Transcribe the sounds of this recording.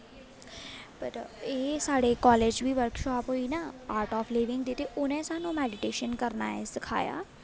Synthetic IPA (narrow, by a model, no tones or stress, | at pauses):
pəɾeːsaːɽeːkɔːleːd͡ʒʋiːʋəɾkʃɔːpɦoːiːnaːaːɾʈɔːfleːʋɪ̃ŋɡd̪eːt̪eːʔʊnɛ̃ːsaːnũːmɛːɖɪʈeːʃənkəɾna̰ːɛesɪkʰa̰ːja̰ː